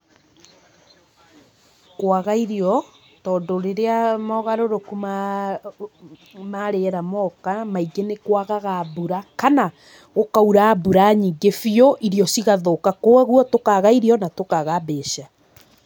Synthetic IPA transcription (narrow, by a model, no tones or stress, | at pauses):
kwaɣaiɾiɔ | tɔːndoɾeɾeamɔɣaɾoɾokuma | maɾeɾamɔkamaiɡenekwaɣaɣabuɾakana | ɣokauɾaːbuɾaɲiɡefioʔiɾiɔsiɣaðokakoaɣwɔtokaɣaiɾiɔnatokaɣabeːʃa